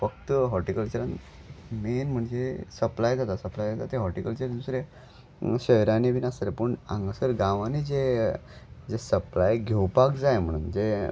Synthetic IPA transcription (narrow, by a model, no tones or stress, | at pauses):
fəkt̪əɦɔʈikəlt͡ɕəɾan | menm̤əɳd͡zesəplajd͡zat̪asəplajd͡zat̪at̪eɦɔʈikəlt͡ɕəɾd̪usɾe | ɕəjɾaniʋinasɾepuɳã̰ŋɡəsəɾɡãʋanid͡ze | d͡zesəplajɡʱewpakd͡zajm̤əɽ̃uːnd͡ze